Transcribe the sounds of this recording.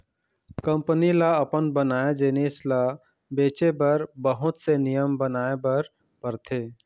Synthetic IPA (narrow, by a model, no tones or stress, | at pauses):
kə̃mpnilaəpənbənaːed͡ʒeːneːsla | beːt͡ʃebəɾbəɦʊt̪senijəmbənaːebəɾ | pəɾt̪ʰeː